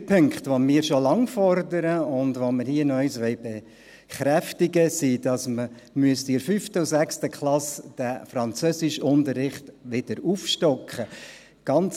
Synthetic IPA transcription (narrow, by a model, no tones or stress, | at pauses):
pʰʏŋkχtʋomɪːɾʃolɑŋfɔɾdəɾəʊndʋoməhiənœʏsʋɛɪbe | χɾæftɪɡəsiːd̥ɑsmə | myəstɪɾfyftəusækstəkʰχlɑsd̥æfɾɑnt͡søːsɪʃʊntəɾːɪχtʋɪd̥əɾufʃtɔkχə | ɡ̥ɑnt͡s